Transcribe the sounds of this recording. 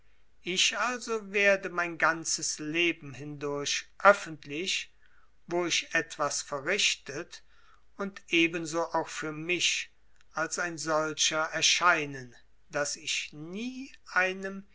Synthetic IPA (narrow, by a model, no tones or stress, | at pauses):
ʔɪʃʔalzoveːɐdəmaɪnɡant͡səsleːbm̩hɪndʊɐʃʔœfəntlɪʃ | voːɪʃɛtv̥asfɛɐʁɪʃtət | ʊntʔeːbənzoːʔaʊxfyːɐmɪʃ | ʔalsaɪnzɔlʃɐɛɐʃaɪnən | d̥asɪʃniːʔaɪnəm